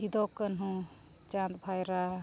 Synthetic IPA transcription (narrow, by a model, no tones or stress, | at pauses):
id̪ɔkːənɦũ | t͡ʃant̪bʱajɾa